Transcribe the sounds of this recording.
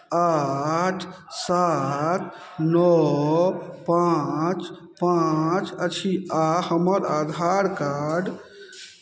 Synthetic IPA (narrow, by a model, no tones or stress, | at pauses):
aʈʰ | sat̪ | nɔ | pat͡ʃ | pãt͡ʃət͡ʃʰiahəməɾad̪ʱaɾkaɖ